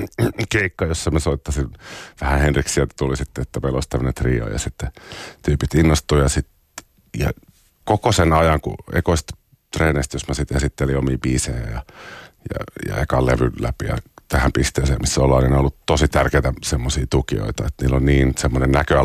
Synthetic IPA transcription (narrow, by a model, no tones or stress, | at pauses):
keikːɑjosːɑmæsoit̪ːɑsinʋæhæhenriksiæt̪æt̪ulisit̪ːeet̪ːæpeloist̪æmːønet̪rḭːo̰jɑ̰sit̪ːet̪yːpit̪inːost̪uːjɑsit̪ | jɑ̰ | kokosenɑjɑŋkṵḛkoist̪ | t̪reːneist̪josmɑsit̪esit̪ːeliomiːbiːseːæ̰jɑjɑ̰jɑ̰ḛkɑlleʋyllæ̰pijɑ̰t̪æhæmpist̪eːsḛːmisːolːɑːnineiolːutt̪osit̪ærkeit̪æsemːosiːt̪ukio̰it̪ɑet̪niːlːonniːnsemːonennækøæ